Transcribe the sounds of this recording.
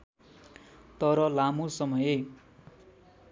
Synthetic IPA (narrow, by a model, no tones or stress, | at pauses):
t̪ʌɾʌlamosʌmʌje